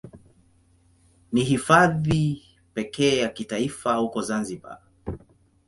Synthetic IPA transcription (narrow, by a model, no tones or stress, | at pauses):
niɦifaði | pɛkɛːjakitaifahukɔzanziɓa̰